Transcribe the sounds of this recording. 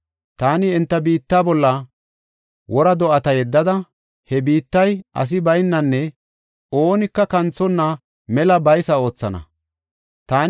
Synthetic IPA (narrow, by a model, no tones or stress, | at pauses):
t̪aːnɪɛnt̪ːɐbiːt̪ːaːbɔlːɐ | wɔɾɐd̪ɔʔɐt̪ɐjɛd̪ːɐd̪ɐ | hɛbiːt̪ːɐjʔɐ̰s̬ɪbɐjnːɐnːɛ | o̞ːnɪkːɐkɐnt͡sːɔnːɐ | mɛlɐbɐjsɐo̞ːt͡sːɐnɐ̰ | t̪aːn